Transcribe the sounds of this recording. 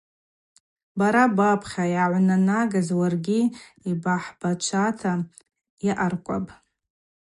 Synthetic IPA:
baɾabapʰχʲajaʕʷnanaɡazwarɡʲi | ibaħb̥at͡ʃʷʰatʰa | iʔarkʷʼa̰pʼ

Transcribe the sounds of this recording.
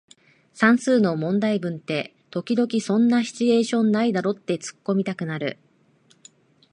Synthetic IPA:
sãɰ̃sɨːno̞mõ̞nd̪aibɯ̟̃nt̪e̞ | t̪o̞kʲid̪o̞kʲisõ̞nːaɕi̥t͡ɕie̞ːɕõ̞nːaid̪aɾo̞t̪ːe̞t͡sɨ̥kːo̞mʲit̪akɯ̟naɾɯ̟̰

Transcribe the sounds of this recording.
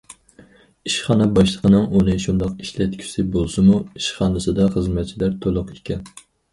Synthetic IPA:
iʃχɑnɛbɑʃlˠəqʰənɨŋunɨʃund̪ɑqiʃlɛt̪̚kʲʰi̥sɪbolˠsɨmuiʃχɑnɨsɨd̪ɑχəzmɛt̪̚t͡ʃʰilæɾt̪ʰolˠʊqe̥kʲʰɛn

